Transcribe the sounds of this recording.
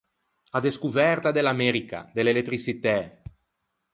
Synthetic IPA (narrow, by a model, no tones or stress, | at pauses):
ad̪eskuvɛrt̪ad̪elameɾika̰d̪elelet̪ɾisit̪ɛ